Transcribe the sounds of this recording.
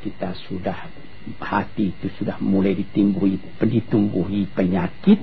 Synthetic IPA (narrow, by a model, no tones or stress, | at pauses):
kit̪asudah | hat̪iːt̪usudahmulajdit̪imbuɦi | pəndit̪umbuɦipəɲakit̪̚